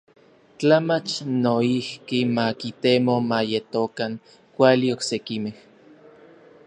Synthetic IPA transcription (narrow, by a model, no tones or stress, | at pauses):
t͡ɬamat͡ʃnoihkimakit̪emomajet̪okaŋ | kʷalioksekimeh